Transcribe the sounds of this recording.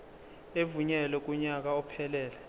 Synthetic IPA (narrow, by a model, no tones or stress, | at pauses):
evuɲɛlwɛk̬ʼuɲak̬aɔpʰɛlɛːlɛ